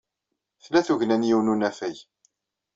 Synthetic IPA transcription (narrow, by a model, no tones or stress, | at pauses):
θlæθuʝnænjiwnunæfæj